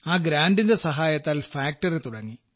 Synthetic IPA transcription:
aːɡɾaːnɖinde̞sɐɦaːjɐt̪ːaːlfaːk̚ʈɐret̪uɽɐŋːi

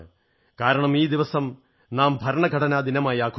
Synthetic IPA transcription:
kaːɾɐɳɐmiːd̪iʋɐsɐm | naːmbʱɐɾɐɳɐkɐɽɐnaːd̪inɐmaːjaːkʰ

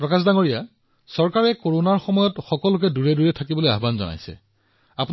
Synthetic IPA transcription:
pɹɔkasdaŋoɹija | sɔɹkaɹɛkoɹonaɹxɔmɔjɔtxɔkɔlʊkɛduɹɛduɹɛtʰakibɔlojaɦbanzɔ̰na̰jsɛ̰ | apu

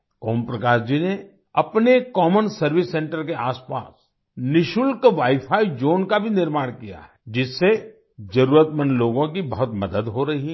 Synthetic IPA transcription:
kɔːmpɾɐkaːʃd͡ʒine | ɐpnekɔːmənsɐɾʋɪsːɛ̃ːɳʈəɾkeʔaːspa̰ːs | nɪʃʊlkʋaːipʰaːid͡ʒoːnkabʱinɪɾmaːɽ̃kija̰ɦɛd͡ʒɪsːe | d͡ʒɐɾuːɾət̪mənloːɡõkibɐɦʊt̪mɐd̪əd̪ɦoɾɐɦi

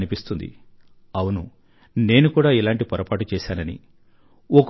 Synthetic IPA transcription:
nipist̪und̪ḭ | ɐwunu | ne̞ːnukuːɽaːilaːɳʈipɐɾɐpaːʈut͡ʃɛːsaːnɐnḭ | ɔk

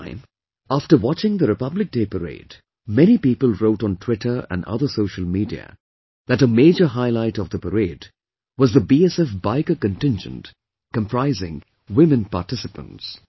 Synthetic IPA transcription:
ɪ̃m | æftə˞wɑt͡ʃɪ̃ŋðəɾɨpʌblɨk̚d̥eɪpəɾḛɪd | mɛñipiːpəl̩ˠɹoʊʈn̩tʰw̥ɪʈʰə˞æ̰̃nʌ̰ðə˞soʊʃəl̩ˠmiːdḭɨ̰ | ðɨtəmeɪd͡ʒə˞ɦaɪlaɪtʌvðəpəɾeɪd | wʌzðəbiɛsɛfbaɪkəkɨ̃ntɪ̃nd͡ʒə̰̃nt | kə̃mpʰɹ̥aɪzɪ̃ŋ | wɪ̃mɨ̃npa̰ːtɪsɨpə̰̃nts

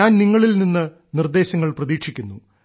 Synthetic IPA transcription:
aːnniŋːɐɭilninːɨ | nird̪e̞ːɕɐŋːɐɭprɐðiːkʂikʲːunːu

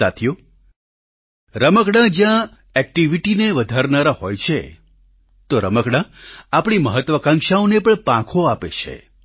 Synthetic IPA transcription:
a̰t̪ʰjo | ɾəməkɽãd͡ʒjã | ɛk̚ʈiʋiʈineʋəd̪ʱaɾnaɾahojt͡ʃʰe | t̪oɾəməkɽãapɳ̃iməɦət̪ʋəkãŋʃaõnepəɳpãkʰoapḛt͡ʃʰḛ

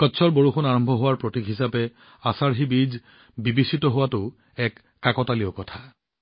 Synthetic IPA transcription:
kɔtːsʰɔɹboɹuxunaɹɔmbʱɔɦʊwaɹpɹotikɦisapɛ | asaɹɦibid͡ʒ | bibisitɔɦʊwatʊ | ɛkːakɔtaliokɔtʰḁ

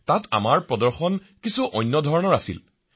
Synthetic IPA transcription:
tata̰maɹpɹɔdɔɹxɔn | kisuʔɔjnːɔdʱɔɹɔnɔɹasḭl

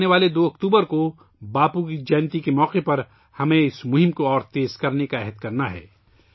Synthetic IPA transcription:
neʋaːled̪oːɐkt̪uːbəɾko | baːpukid͡ʒɛːnt̪ikemɔːqepɐɾ | hɐmẽɪsmʊɦɪ̃mkoɔːɾt̪eːzkɐɾnekaɛɦəd̪̚kɐɾnaɦɛ̰ː

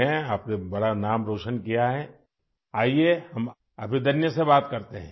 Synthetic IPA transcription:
ɛ̃aːpnebɐɽanaːmɾoːʃənkijaɦɛ | aːiehɐm | ɐbʱid̪ɐnjəsebaːt̪kɐɾt̪eɦɛ̃ː

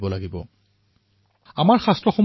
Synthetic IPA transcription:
bɔlaɡibɔ | amaɹxastɹɔxɔm

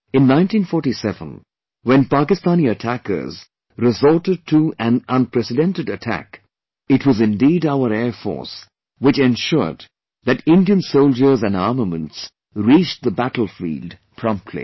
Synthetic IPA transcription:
ɨ̃nːãɪ̃ntĩnfɔɹʈisɛvə̰̃n | wɛ̃npakɪstãniətʰækə̰˞z | ɾɪzɔɹtɨd̚tʰuæ̃nə̃npʰɹɛsɨdɛ̃ntɨdɨtʰæ̰k | ɨtʰwʌzɨ̃ndiːɾaʊəɾɛːɹfɔ̰ɹs | wɪt͡ʃɛ̃nʃʊ̰ɹd̪̚ | ðɨtɪ̃ndiɨ̃nsoʊlˠd͡ʒə˞zæ̃nɑɹməmə̃nts | ɹit͡ʃðəbætl̩ˠfḭːld | pʰɹ̥ɔ̃mp̚tʰlḭ

